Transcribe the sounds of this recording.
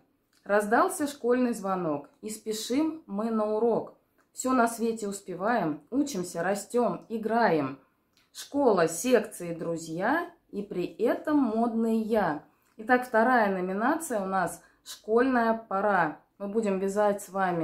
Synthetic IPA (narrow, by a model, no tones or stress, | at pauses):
rɐzd̪ɑlˠsʲəʂko̞lʲnɨjzvɐno̞kispʲɪʂɨmːɨnəʊɾo̞k | fsʲonɐsvʲetʲɪʊspʲɪvajɪmut͡ɕɪmsʲəɾɐsʲtʲo̞mɪɡɾajɪm | ʂko̞lˠəsʲe̞kt̪sɨɪd̪ɾʊzʲja | ipɾʲɪɛt̪əmːo̞d̪nɨjja | ɪt̪akft̪ɐɾajənəmʲɪnat̪sɨjəʊnas | ʂko̞lʲnəjəpɐɾa | mɨbudʲɪmvʲɪzatʲsvamʲɪ